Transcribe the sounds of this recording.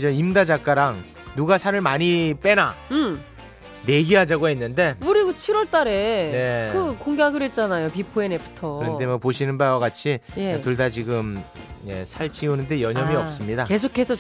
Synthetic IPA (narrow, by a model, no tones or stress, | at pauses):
d͡ʑʌimdad͡ʑak͈aɾaŋ | nuɡasʰaɾɯɭmaɲip͈e̞naɯm | ne̞ɡiɦad͡ʑaɡoɦenːɯnde̞kɯɾiɡot͡ɕʰiɾwʌɭt͈aɾe̞ne̞kɯkoŋɡjaɡɯɾet̚t͡ɕ͈anajopipʰoenepʰu̥tʰʌɯɾʌnd̪emʌpoɕʰinɯnbawaɡat͡ɕʰitoɭdad͡ʑiɡɯmje̞̰sʰaɭt͡ɕionɯnde̞jʌɲʌmiʌps͈ɯmɲidake̞s̬ʰokʰe̞sʰʌ